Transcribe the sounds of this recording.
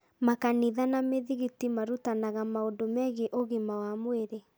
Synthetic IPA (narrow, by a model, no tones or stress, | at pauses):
makaniðanameðiɣitimaɾutanaɣamaodomɛɣeʔoɣemawamoeɾe